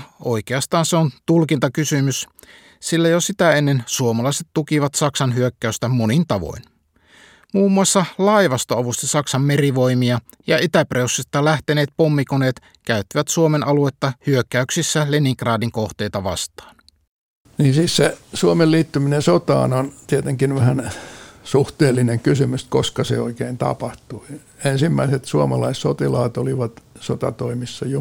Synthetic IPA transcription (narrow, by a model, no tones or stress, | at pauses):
o̰jk̟eɑst̪ɑːnseont̪ulkint̪ɑkysymys | silːæjosit̪æenːensuomɑlɑiset̪t̪ukiʋɑt̪sɑksɑnɦyøkːæyst̪æmonint̪ɑʋo̰in | muːmːuɑsːɑlɑiʋɑst̪oɑʋust̪ɑsɑksɑmːeriʋo̞imiɑ | jɑit̪æpreusːit̪ːɑlæht̪eneːt̪̚pomːikoneːt̪ | kæyt̪ːiʋæt̪suomenʔɑluet̪ːɑhyøkːˑæyksisːæleniŋkrɑːdiŋko̞ht̪e̞jt̪ɑʋɑ̰st̪ɑ̥ːn | niːnsiːssesuomelliːt̪ːyminesot̪ɑ̰ːnont̪iet̪eŋkinʋæhænsuht̪eːlːineŋkysymyst̪koskɑsḛo̰ikeint̪ɑ̰pɑht̪ui | ensimːæiset̪suomɑlɑissot̪ilɑːt̪oliʋɑt̪sot̪ɑ̰t̪oimisːɑjo